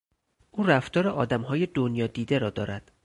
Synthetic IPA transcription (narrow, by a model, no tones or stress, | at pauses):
ʔuːræft̪ɒːɾeʔɒːd̪æmɦɒːjed̪onjɒːd̪iːd̪eɾɒːd̪ɒːɾæd̪̥